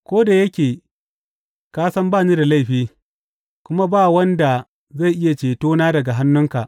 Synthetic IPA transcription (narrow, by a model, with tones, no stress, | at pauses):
kʷoː˦da˨jɐ˦kʲeː˨ | kaː˦sɐ˦mbaː˦˨niː˦da˨la˦˨jɸiː˦ | kʷʊ˦ma˦baː˦˨wɐ˦nda˨ | za˦˨jʔɪ˦ja˨t͡ʃeː˨toː˦naː˦dɐ˨ɡa˨ɦa˦nːʊ˦ŋka˨ʔ